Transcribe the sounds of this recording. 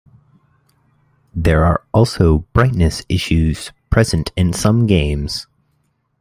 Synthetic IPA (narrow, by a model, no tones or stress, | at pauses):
ðə˞ə˞ʔɔlˠsoʊb̥ɹaɪtⁿnɨsɪ̰ʃʉz̥pʰɹ̥ɛz̥ɨ̃ntʰɨ̃nsʌ̃mɡẽɪ̃mz̥